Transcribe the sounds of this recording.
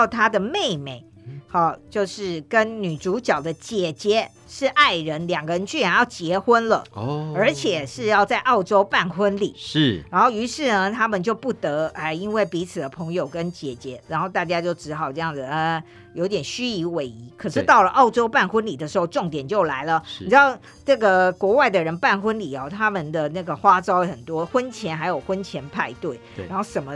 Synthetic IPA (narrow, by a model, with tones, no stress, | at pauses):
t̪ʰa˥d̪ə˨me˥˧ɪme˨˩˦ɪ | xɔ˥˩t͡ɕjo˥˧ʊʂɻ̩˥˩kə˦nny˨˩ʈ͡ʂu˧˥t͡ɕjɑ˨˩ʊd̪ə˦t͡ɕjɛ˨˩t͡ɕjɛ˨˧˥ | ʂɻ̩˥˧ʔa˥˩ɪɻə˧˦˥nljɑ˨˩ŋɡə˧˦ɻə˧˦nt͡ɕʰy˥˩ɛ˨˩njɑ˥˩ʊt͡ɕjɛ˧˥xwə˥nlə̰˨ə˞˧˥t͡ɕʰjɛ˨˩ʂɻ̩˥˧jɑ˥˧ʊt͡sa˥˧ɪʔɑ˥˩ʊʈ͡ʂo˥ʊpa˥˩nxwə˥nlḭ˨˩˦ʂ̩˥˩ɻa˧˥nxo˥˩ʊy˧˥ʂɻ̩˥˩nə˨t̪ʰa˥mə˨nt͡ɕjo˥˧ʊpu˥˩t̪ə˧˥a˥˩ɪi˥nwe˥˩ɪpi˧˥t͡sʰɹ̩˨˩d̪ə˦pʰɤ˧˥ŋjo˨˩ʊkə˦˥nt͡ɕjɛ˨˩t͡ɕjɛ˧˥ɻa˧˥nxo˥˧ʊt̪a˥˩t͡ɕja˥t͡ɕjo˥˩ʊʈ͡ʂɻ̩˧˥xɑ˨˩ʊʈ͡ʂɤ˥˧jɑ˥˩ŋd͡zɨ˨˩ə˧ | jo˧˥ʊt̪jɛ˨˩nɕy˥i˧˥we˧˥ɪi˧˥kʰɤ˨˩ʂɻ̩˥˩t̪ɑ˥˩ʊlə˩ʔɑ˥˩ʊʈ͡ʂo˥ʊpa˥˩nxwə˥nli˨˩d̪ə˩ʂɻ̩˧˥xo˥˧ʊʈ͡ʂʊ˥˩ŋt̪jɛ˨˩nt͡ɕjo˥˩ʊla˧˥ɪlə˨i˨˩ʈ͡ʂɻ̩˧˦˥ɑ˥˧˩ʊ | ʈ͡ʂɤ˥˩ɡə˩kwɔ˧˥wa˥˩ɪd̪ə˨ɻə˧˥npa˥˩nxwə˥nli˨˩ɑ˦t̪ʰa˥mə˨nd̪ə˩na˥˩ɡə˩xwa˥ʈ͡ʂɑ˥ʊxə˨˩nt̪wɔ˥xwə˦˥nt͡ɕʰjɛ˧˥˦nxa˧˥ɪjo˨˩ʊxwə˥nt͡ɕʰjɛ˧˥npʰa˥˧ɪt̪we˥˩ɪa˧˥nxo˥˩ʂə˨˩mə˦